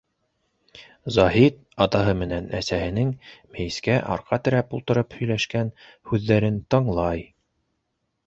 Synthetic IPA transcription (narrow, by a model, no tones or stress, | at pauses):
zɑɦit̪̚ | ɑt̪ɑɦɤmɘ̆nænæ̰sæhɘ̆nɘŋmæj̆skæʔɑ̰ɾqɑt̪ɘ̆ɾæpulˠt̪ɤ̆ɾɤphɵ̆jlæʃkæn | hʉðːæɾɘnt̪ɤɴlˠɑj